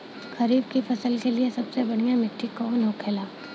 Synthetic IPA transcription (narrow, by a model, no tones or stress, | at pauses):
xɐɾiːb̚kifɐsəlkeliesɐbsebɐɽ̤ijamɪʈʰːikɔːnɦokʰeːlaː